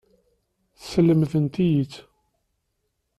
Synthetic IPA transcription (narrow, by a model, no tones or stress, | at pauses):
θsəlːəmθənt̪ijət͡sː